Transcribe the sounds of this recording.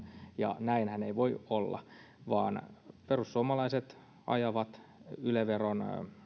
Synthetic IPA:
jɑ̰næinhæneiʋoiolːɑ̰ | ʋɑ̰ːnperussuomɑlɑiset̪ | ɑ̰jɑʋɑt̪yleʋeron

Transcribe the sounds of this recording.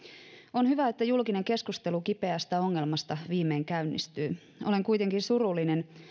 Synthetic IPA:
o̞nhyʋæet̪ːæjulkine̞ŋke̞skust̪e̞lukipe̞æst̪æo̞ŋːelmɑst̪ɑʋiːmeiŋkæynːḭst̪yː | ʔole̞ŋkujt̪e̞ŋkinsurulːinen

